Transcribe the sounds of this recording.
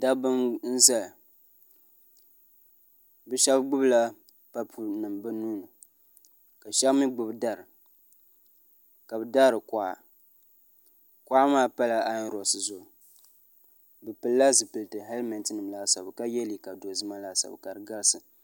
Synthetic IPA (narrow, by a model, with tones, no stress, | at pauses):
da˦bɨ˦nn̩˦za˦l | bɨ˦ʃɛ˦bɡ͡bʊ˦bla˦ | pa˦pʰu˦nɨ˨mbɨ˦nuː˦nɨ˨ | ka˨ʃa˦mɨ˦ɡ͡bʊ˨bda˦˨ɾɨ˨ | ka˨bɨ˨daː˦ɾɨ˨ka˨ʔa̰˨ | ka˦ʔa˦maː˦pa˦la˨a˦n˦ɾɔ˨sɨ˨zʊ˨ | bɨ˨pɨ˨lːa˦zɨ˨pɨ˨ltɨ˨ɦa˦lmɛ˨ntɨ˦nɨ˨m˨la˦sa˨bka˦jɛ˦li˨ka˨do˨zɨ˦ma˦la˦sa̰˨bka˨ɾɨ˨ɡa˦lsɨ˨